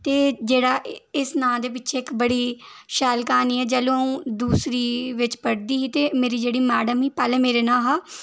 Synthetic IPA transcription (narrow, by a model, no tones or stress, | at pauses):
t̪eːd͡ʒeːɽaːʔɪsnãːd̪eːp̬ɪtːʃʰeːɪkbəɽiːʃɛːlkaːniːɛːd͡ʒɛːlõːəũːd̪uːsɾiːʋɪt͡ʃpəɽd̪iːɦiːt̪eːmeːɾiːd͡ʒeːɽiːmɛːɖəmɦiːpɛːlɛ̃ːmeːɾeːnãːɦaː